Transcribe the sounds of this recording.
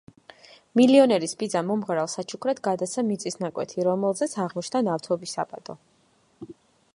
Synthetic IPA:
miliɔnɛɾisbid̪zamɔmʁɾalˠsat͡ʃʰukʰɾɛd̪ɡad̪asamit̪sʼisnakʼwɛ̰t̪ʰiɾɔmɛlˠzɛt̪sʰaʁmɔt͡ʃʰnanaft̪ʰɔbisːapʼa̰d̪̥ʼɔ

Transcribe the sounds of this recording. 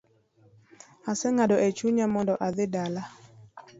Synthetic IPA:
asɛŋadɔʔɛt͡ʃuɲamɔndɔʔad̪ɪdala

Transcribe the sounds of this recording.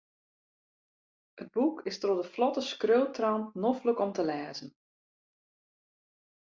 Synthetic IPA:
əd̚bukɪstrodəflɔtəskrøːtrawnnɔfləkɔmtəlɛːzən

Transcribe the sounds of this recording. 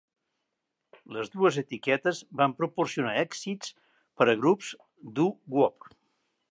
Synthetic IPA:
ləzðuəzet̪ikɛt̪əzβampɾupursiunaɛksit͡s | pəɾəɣɾupz | d̪uɡwɔp̚

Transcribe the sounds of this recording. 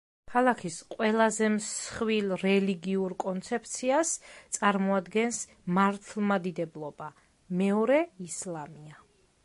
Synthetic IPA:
kʰalˠakʰisqʼwɛlˠazɛmsχwilˠɾɛliɡiuɾkʼɔnt̪sʰɛp̚ʰt̪sʰiast̪sʼaɾmɔad̪ɡɛns | maɾt̪ʰlˠmad̪id̪ɛblˠɔba | mɛɔɾɛislˠamia

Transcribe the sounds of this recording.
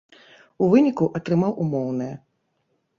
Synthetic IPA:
uvɨnʲikuʔɐt̪ɾɨmawʔumɔwnɨjɐ

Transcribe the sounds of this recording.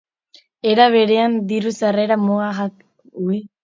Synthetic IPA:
eɾaβeɾeand̪iɾusareɾamoaɦak | ui

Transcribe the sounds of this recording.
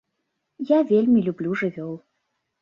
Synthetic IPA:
javʲelʲmʲilʲublʲuʐɨvʲɔw

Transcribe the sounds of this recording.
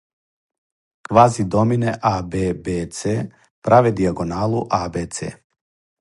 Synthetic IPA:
kvazid̪ominɛʔabɛbɛt̪sɛ | pɾavɛd̪iaɡonalˠuʔabɛt̪sɛ̰

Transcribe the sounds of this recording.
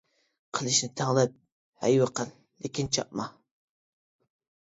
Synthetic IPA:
qʰəlˠɪʃnɪt̪ʰæŋlˠɪp̚ | hæ̰jwɨqəlˠːekʲɪnt͡ʃʰɑp̚mɑ

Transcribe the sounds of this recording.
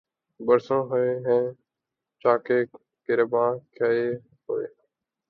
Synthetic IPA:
bəɾsõːɦoeːɦẽː | t͡ʃaːkeː | kɪɾebãːkʰaeː | ɦoːḛː

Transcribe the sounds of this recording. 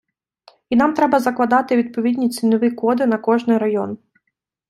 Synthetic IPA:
inɑmt̪ɾɛbɐzɐklˠɐd̪ɑt̪ɪʋʲid̪̚pɔʋʲid̪ʲnʲit͡sʲinʊʋɪkɔd̪ɪnɐkɔʒnɪjɾɐjɔn

